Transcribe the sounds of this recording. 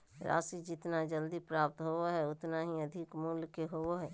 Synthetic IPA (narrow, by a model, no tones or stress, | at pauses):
ɾa̰ːsid͡ʒɪt̪nad͡ʒəld̪ipɾaːp̚t̪ɦooɦɛʊt̪naɦiəd̪ʱɪkmulkeɦowoɦɛː